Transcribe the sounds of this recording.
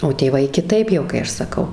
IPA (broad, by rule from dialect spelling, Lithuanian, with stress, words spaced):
oː tʲeːˈʋɐɪ kʲɪˈtɐɪp jɛʊ kɐɪ ˈɐʃ sɐˈkɐʊ